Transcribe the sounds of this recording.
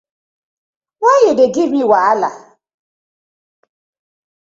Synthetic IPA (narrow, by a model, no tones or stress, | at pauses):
wajɪdeɡɪmiwaala